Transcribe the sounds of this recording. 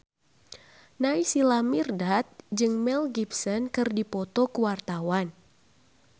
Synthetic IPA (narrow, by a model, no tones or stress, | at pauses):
naisilamirdat̪̚d͡ʒɨŋmɛlɡipsənkɨrdipɔt̪ɔkəwart̪awan